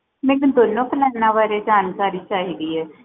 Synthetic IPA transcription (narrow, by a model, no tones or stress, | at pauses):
mɛ̃ːnõd̪oːnːõːpəlaːnãːʋaːɾeːd͡ʒaːnkaːɾiːt͡ʃaːɦiːd̪iːɛː